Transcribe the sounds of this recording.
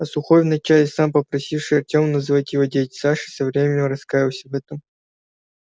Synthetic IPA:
ɐsʊxojvnɐt͡ɕalʲɪsampəpɾɐsʲifʂɨɐrtʲomnɐzɨvat̪ʲjɪvodʲet̪ʲsaʂɨ̥sɐvɾʲemʲɪnʲɪmrɐskajɪwsʲəvɛt̪əm

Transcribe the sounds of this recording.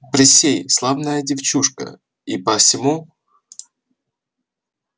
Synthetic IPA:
pɾʲɪsʲejslˠavnəjədʲɪft͡ɕuʂkə̰ | ipəfsʲɪmu

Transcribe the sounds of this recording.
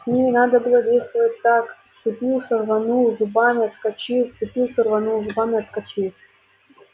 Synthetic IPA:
sʲnʲimʲɪnad̪əbɨlˠədʲejst̪vəvətʲt̪akft̪sɨpʲilˠsʲərvɐnuzʊbamʲɪɐt̪skɐt͡ɕift̪sɨpʲilˠsʲərvɐnuzʊbamʲɪɐt̪skɐt͡ɕi

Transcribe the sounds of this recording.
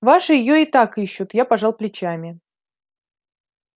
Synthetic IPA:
vaʂɨjɪjoɪt̪akɨɕːʊt̪japɐʐalˠplʲɪt͡ɕamʲɪ

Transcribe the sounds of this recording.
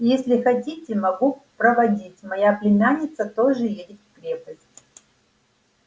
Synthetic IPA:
jesʲlʲɪxɐtʲitʲɪmɐɡupɾɐvɐdʲitʲmɐjaplʲɪnʲanʲɪt̪sət̪oʐɨjedʲɪt̪kɾʲepəsʲtʲ

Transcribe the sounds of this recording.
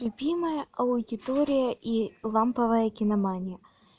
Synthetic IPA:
lʲʊbʲiməjəʔɐʊd̪ʲɪt̪oɾʲɪjəʔilˠampəvəjəkʲɪnɐmanʲɪjə

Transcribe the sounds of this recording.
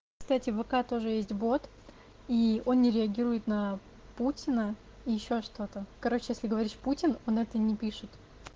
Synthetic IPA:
kst̪atʲɪvɨkat̪o̞ʐɨjesʲtʲbo̞t̪ | io̞nnʲɪɾʲɪɐɡʲiɾʊjɪt̪nə | putʲɪnə | ijɪɕːo̞ʂt̪o̞t̪əkɐɾo̞t͡ɕɪjesʲlʲɪɡəvɐɾʲiʂputʲɪno̞nɛt̪ənʲɪpʲiʂɨt̪

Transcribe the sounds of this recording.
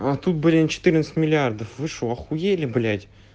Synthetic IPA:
at̪ut̪̚bɨlʲɪnət͡ɕɪ̥t̪ɨɾʲnt̪sɨ̥tʲmʲɪlʲɪard̪əfvɨʂʊɐxʊjelʲɪblʲætʲ

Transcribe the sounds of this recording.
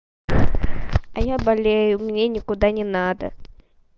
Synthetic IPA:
ɐjabalʲejʊmʲnʲenʲɪkʊd̪anʲɪnad̪ə̰

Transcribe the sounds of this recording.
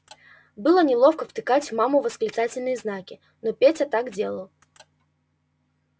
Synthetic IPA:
bɨlˠənʲɪlˠo̞fkəft̪ɨkatʲvmamʊvəsklʲɪt̪satʲɪlʲnɨjəznakʲɪ | nopʲetʲat̪aɡdʲe̞lˠəlˠ

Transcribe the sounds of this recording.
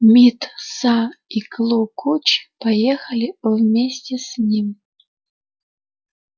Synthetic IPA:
mʲit̪saiklˠukʰut͡ɕpɐjexɐlʲivmʲesʲtʲɪsʲnʲim

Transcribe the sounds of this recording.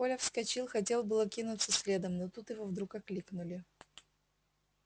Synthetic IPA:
olʲəfskɐt͡ɕilˠxɐt̬ʲe̞lˠbɨlˠəkʲinʊt̪səsʲlʲed̪əmnot̪ut̪jɪvovd̪ɾukɐklʲiknʊlʲɪ

